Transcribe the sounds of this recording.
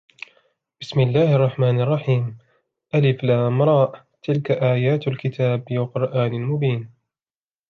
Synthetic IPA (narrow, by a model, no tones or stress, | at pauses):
b̥ɪsmɪlːaːhʔɑrˤːɑħmaːnɑrˤːɑħiːm | ʔalɪflamɾˤɑːʔ | t̪ɪlkaʔaːjaːt̪alkɪt̪ʰaːbwaqʊɾˤʔaːnɪlmʊbiːn